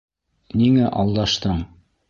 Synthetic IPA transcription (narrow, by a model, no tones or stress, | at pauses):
niŋæʔɑlˠd̪ɑʃt̪ɤɴ